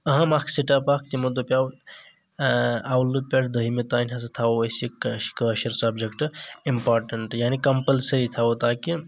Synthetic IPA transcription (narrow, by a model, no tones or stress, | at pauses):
ɐɦɐ̃makʰsiʈapak̚t̪imɐd̪opʲjaw | awlːupʲɐɽd̪ɐɦimet̪aːnʲɦɐs̬ɐt̪ʰawoɐsikkəʃɐɾsɐbd͡ʒekʈimpaːɾʈɐɳʈjaːnikɐmpəlsɐɾit̪ʰawot̪aːki